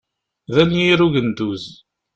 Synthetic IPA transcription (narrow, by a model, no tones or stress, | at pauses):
ðænjiɾuʝənd̪uz